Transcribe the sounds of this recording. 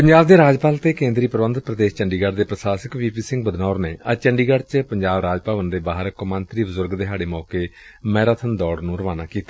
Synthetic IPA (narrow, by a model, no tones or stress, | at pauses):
pəɲd͡ʒaːbd̪eːɾaːd͡ʒpaːlt̪eːkẽːnd̪ɾiːpəɾəʋə̃nd̪̚pɾəd̪eːst͡ʃəɳɖiːɡəɽd̪eːpɾəsaːsəkʋiːpiːsɪŋɡ̚bəd̪nɔːɾneːət͡ʃəɳɖiːɡəɽt͡ʃəpəɲd͡ʒaːbɾaːd͡ʒpaːʋənd̪eːbaːɦɾkomə̃nt̪ɾiːbəzʊɾɡd̪eːɦaːɽeːmɔːkeːmɛːɾat̪ʰənd̪ɔːɽnũːɾəʋaːnaːkiːt̪ḁː